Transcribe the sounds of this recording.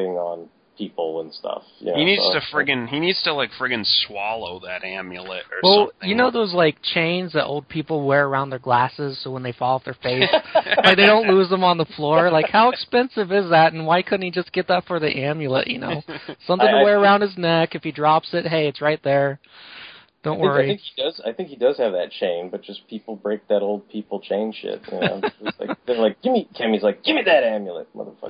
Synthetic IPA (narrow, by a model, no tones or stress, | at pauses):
ɪ̃ŋə̃n | pʰipl̩ˠə̃nstʌ̰fjæ̰hinidz̥tʰɨfɹɪɡɨ̃ninidz̥tʰəlaɪkfɹɪɡɨ̃nswɑlˠoʊðɨɾæ̃mjɨl̩ˠɪ̰tə̰˞wɛlˠjɨnoʊðoʊzlaɪk̚t͡ʃʰẽɪ̃nzðɨɾʔoʊlˠd̚pʰipl̩ˠwɛɹə˞ãʊ̃nðə˞ɡlæsɪz̥soʊwə̃nðeɪfɔlˠʌvðə˞feɪsaɪðeɪɾõʊ̃nʔˡluzðə̃mə̃nðəflɔɹlaɪkhaʊəkspɛ̃nsɨvɪzðætn̩waɪkʰʊdⁿn̩tid͡ʒʌsɡ̥ɛt̪̚ðətfə˞ðiʔæ̃mjɨlˠə̰ʔjɨ̰no̰ʊsʌ̃mθɪ̃ŋəweɪə˞ãʊ̃nd̚ɨznɛkɨfidɹɑpsɨt̚ɦeɪɨtsɹaɪt̪̚ðə˞ | d̥õʊ̃nʔwɜ˞aɪiɪ̃ŋkhidʌza̰ɪθɪ̃ŋkhidʌz̥ɨvðɨ̰t̚t͡ʃʰẽɪ̃mbʌt̚d̥ʒ̥ʌspʰipl̩ˠbɹeɪk̚ðɨɾoʊlˠd̚pʰipl̩ˠt͡ʃʰẽɪ̃n̥ʃɪ̰t̚jɨnoʊ̥̃d͡ʒʌtla̰ɪɨlaɪk̚ɡ̥ɪvmikʰɛ̃mizlaɪk̚ɡ̥ɪvmiðɨɾæ̃mjɨl̩ˠə̰t̚mʌ̰ðə̰˞fʌ̰